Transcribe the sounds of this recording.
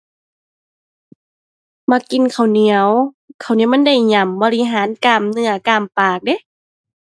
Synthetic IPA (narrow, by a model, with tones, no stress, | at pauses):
ma˧˨ki˧˨nkʰa˨˩wni˧˦əw | kʰa˨˩wni˧˦˨m˧˥˨nda˧˩jɲa˧˩mbɔː˧li˧ɦaː˨˦nkaː˨˩mnɯ˧˩ɐkaː˨˩mpaː˨˩k̚de˧˦